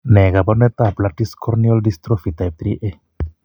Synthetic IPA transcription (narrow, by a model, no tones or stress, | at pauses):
neɡabonet̪aplaʈiskʰoɾnioldist̪ɾofit̪aj̚t̪ɾiʔe